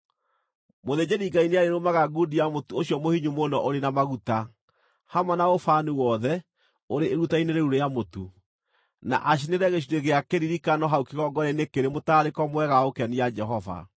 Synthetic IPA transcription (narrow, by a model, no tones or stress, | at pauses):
moðeɲeɾiɡaineaɾeɾomaɣaɡudiamotuoɕijɔmohiɲumonɔʔoɾenamaɣuta | hamwanaofanuwɔðɛ | oɾeːɾutaineɾeɾuɾejamotu | na̰ʔaɕ̬ineɾɛɣeɕ̬ineɣeakeɾiɾikanɔɦaukiɣɔɡɔɾɛnekeɾemotaːɾekɔmwɛɣaokeanijad͡ʒɛɦɔva̰